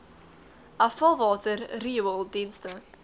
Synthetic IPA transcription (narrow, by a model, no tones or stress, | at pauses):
afəlˠvɑːtʰərriwəlˠdinstə